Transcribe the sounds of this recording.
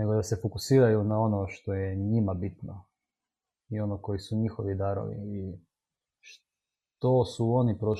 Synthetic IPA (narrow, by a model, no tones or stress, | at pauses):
ne̞ɡod̪ase̞fokusiːɾajunao̞noʃt̪o̞jeɲimabit̪no | io̞noko̞jisuɲixoʋid̪aɾo̰ʋḭi | ʃ | t̪osuo̞nipɾo